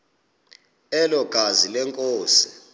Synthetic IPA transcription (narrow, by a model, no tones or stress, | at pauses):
ɛlɔɡ̥ʱazilɛŋkʼoːsi̥